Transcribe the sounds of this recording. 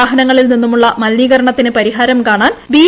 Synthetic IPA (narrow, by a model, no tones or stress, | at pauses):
aːɦɐnɐŋːɐɭilninːumuɭːɐmɐlniːɣɐɾɐɳɐt̪ːinɨpɐɾiɦaːɾɐmkaːɳaːnbiː